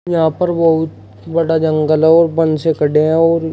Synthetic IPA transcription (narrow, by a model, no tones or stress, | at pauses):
jɐɦãpɐɾbɐɦʊt̪ | bɐɽad͡ʒɐ̃ŋɡəlɦɛ̃ɔːɾbɐ̃nsekɐɽeɦɛ̃ɔːɾ